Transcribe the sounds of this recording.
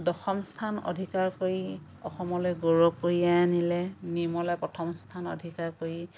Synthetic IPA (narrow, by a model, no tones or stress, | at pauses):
dɔxɔmstʰano̰dʱikaɹkoɹi | ɔ̰xɔmɔlɔjɡoɹokːoɹianilɛnimɔlɔjpɹɔtʰɔmstʰano̰dʱikaɹkoɹi